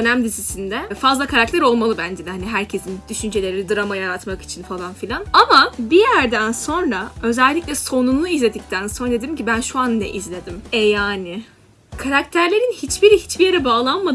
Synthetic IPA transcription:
ønæmd̪izisind̪ɛfazlˠakʰaɾak̚t̪ʰæɾo̞lˠmalˠɯbænd͡ʒid̪haniɦæɾcʰe̞sind̪̥yʃynd͡ʒe̞lʲe̞ɾid̪ɯɾamajaɾat̪maki̥t͡ʃʰinfalˠanfilʲanamabijæɾd̪ænso̞nɾaø̞zɛlʲːicʲlʲɛso̞nunlˠuizlʲe̞d̪ic̚t̪ʰænso̞nɾad̪ed̪eiɾimcibænʃuanːɛ̰ʔizlʲe̞d̪imɛjaːnɪ | kʰaɾakt̪ʰæɾlʲe̞ɾinhit͡ʃbiɾihit͡ʃbijeɾɛbaːlˠanmad̪

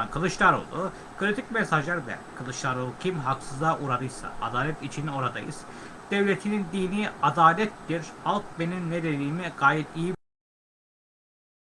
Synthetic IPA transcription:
nkʰɯlˠɯʃlˠaɾo̰lˠu | kʰɯɾit̪ʰicmesaʒlʲæɾd̪ɛ̰kʰɯlˠɯʃlˠaɾolˠucʰimɦaksɯzaʔuɾaɾɯjsa̰a̰d̪aːlʲɛt̪it͡ʃʰino̞ɾad̪a̰jɯ̰z̥ | d̪̥evlʲet̪ʰinind̪iːniad̪aːlʲɛt̪ːiɾhalˠk̚be̞ninːeɾeliːimiɡ̥aːjɛt̪iji

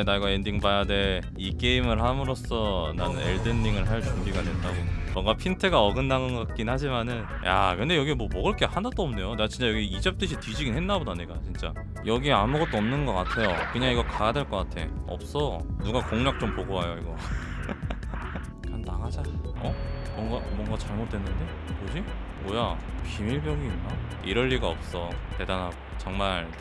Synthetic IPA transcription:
enaiɡwaendiŋbajade̞ | ik͈e̞imɯɭɦamɯɾos͈ʰʌnanɯnḛɭdɯnːiŋɯɭɦaɭt͡ɕumbiɡadwe̞nd͈aɡomʌŋɡapʰintʰɯɡaʌɡɯnːaŋɯnɡʌk͈ak̚k͈inhad͡ʑimanɯnja̰kɯndejʌɡiemwʌmʌɡɯɾkʰehanat͈oʌmne̞joneɡat͡ɕint͡ɕ͈ajʌɡiid͡ʑʌp̚t͈ɯɕʰitɥid͡ʑiɡinɦe̞nːaɡodaɲiɡ͈at͡ɕint͡ɕ͈a̰ | jʌɡieamuɡʌt̚t͈oʌmnɯnɡʌk͈atʰe̞jokɯɲaŋiɡʌkaadweɭk͈ʌk͈atʰe̞̰ʌ̰p̚s͈ʌnuɡakoŋɲak̚t͡ɕ͈ompoɡoɦajoiɡʌ | kanːaɡad͡ʑaʌmʌŋɡamwʌŋɡat͡ɕaɭmot͈̚ʰwe̞nːɯnde̞ | kod͡ʑibojapimiɭbjʌŋiːnːa | iɾʌʎːiɡaʌp̚s͈ʌte̞danaɡ | t͡ɕʌŋmaɭ

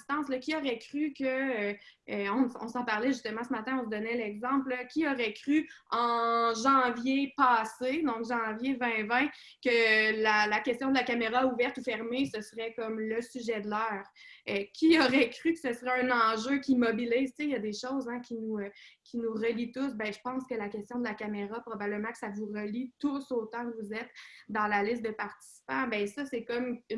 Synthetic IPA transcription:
st̪ɑ̃sləkʲiɔʁɛkʁykʲəː | ɔ̃ɔ̃sɑ̃paʁlɛʒyst̪əmɑ̃səmat̪ɛ̃ɔ̃s̬d̪ɔnɛlɛɡzɑ̃pləkʲiɔʁɛkʁyɑ̃ʒɑ̃vjepɑːsed̪ɔ̃kʒɑ̃vjevɛ̃vɛ̃ | kəlalakʲɛst̪jɔ̃d̪əlakameʁauvɛʁt̪ufɛʁmesəsəʁɛkɔmləsyʒɛd̪lœːʁkʲiɔʁɛkʁykə̥səsʁɛɛ̃nɑ̃ʒøkʲimɔbiliːzt͡sejad̪eʃɔʊzɛ̃kʲinukʲʰinuʁəlit̪ʊsbɛ̃ʒəpɑ̃skəlakʲɛst̪jɔ̃d̪əlakameʁapχɔbabləmɑ̃kə̥savuʁəlit̪ʊsoːt̪ãkvuzɛt̪d̪ɑ̃lalɪst̪̚d̪əpaʁt̪i̥si̥pɑ̃bɛ̃sʌsɛkɔm

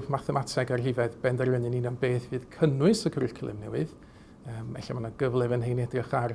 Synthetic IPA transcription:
vmaθɛmatʰɛɡarhɪvɛðbɛndarvənɨninɔnbeːθvɨːðkʰənʊɨsəkʰrɪɬkʰlˠɨ̰mnɛwɨð | əːmvɛ̰ɬimanaɡ̥əvlˠɛvənɦejnɛdrɪχar

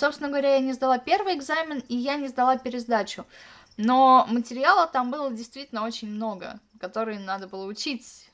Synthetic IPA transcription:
so̞psʲɪnəɡəvɐɾʲajanʲɪzd̪ɐlˠapʲe̞rvɨjɪɡzamʲɪnijanʲɪzd̪ɐlˠapʲɪɾʲɪzd̪at͡ɕʊ | no̞mətʲɪɾʲɪalˠət̪ambɨlˠədʲɪjst̪vʲitʲɪlʲnəo̞t͡ɕɪnʲmno̞ɡə̰ | kɐt̪o̞ɾɨjənad̪əbɨlˠəʊt͡ɕitʲ

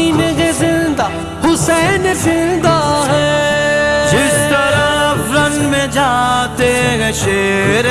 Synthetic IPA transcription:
ind͡ʒezɪ̃nd̪aː | hʊsɛːnzɪ̃nd̪aɦɛː | d͡ʒɪst̪ɐɾaɾɐnmẽd͡ʒaːt̪eɦɛʃeːɾ

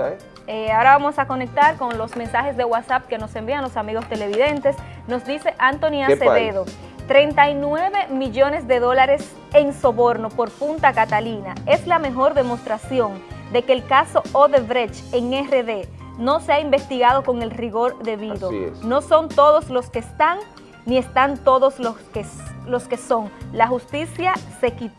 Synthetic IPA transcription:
eaoɾaβamo̞sako̞ne̞k̚t̪aɾko̞ŋlo̞smẽ̞nsahe̞sd̪e̞ɣwasap̚ke̞no̞se̞mbiaŋlo̞samiɣo̞st̪e̞le̞βiðent̪e̞sno̞sd̪ise̞ʔant̪o̞niaseðeðo | t̪ɾe̞nt̪ainwe̞βe̞miʝo̞ne̞sd̪e̞ðo̞laɾe̞s | e̞ŋso̞βo̞ɾno̞po̞ɾpunt̪akat̪alinae̞slame̞ɦo̞ɾðe̞mo̞st̪ɾasjo̞ŋd̪e̞ke̞ːlkaso̞oðeβɾet͡ʃeŋereðe̞ | no̞seaimbe̞st̪iɣaðo̞ko̞ŋe̞lriɣo̞ɾðe̞βiðo̰no̞so̞nt̪oðo̞slo̞ske̞st̪aŋ | nie̞st̪ant̪o̞ðo̞slokelo̞ske̞so̞ŋlahust̪isjase̞kit̪

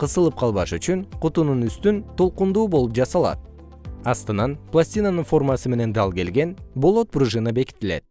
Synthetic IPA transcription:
qʰɯsɯlˠɯp̚qʰɑlˠβɑʃyt͡ʃynqʊt̪ununyst̪ynt̪ʰo̞lˠqund̪uːbo̞lˠupd͡ʒɑsɑlˠɑ̰t̪̚ | ɑst̪ɯnɑnplˠasʲtʲinanɯnfo̞rmɑsɯme̞ne̞nd̪ɑlˠke̞lɡʲe̞nbo̞lˠo̞t̪̚bruʒɨnɑbe̞ki̥t̪ːile̞̰t̪̚

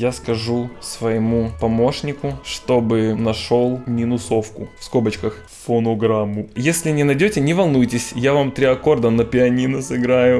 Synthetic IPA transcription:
jaskɐʐusvəjɪmupɐmo̞ʂnʲɪkʊʂt̪o̞bɨnɐʂo̞lˠmʲinʊso̞fkʊfskobət͡ɕkəx | fonoɡɾamːʊjesʲlʲɪnʲɪnɐjdʲotʲɪnʲɪvɐlˠnujtʲɪsʲjavamt̪ɾʲɪɐko̞rd̪ənəpʲɪɐnʲinʊsɨɡɾajʊ

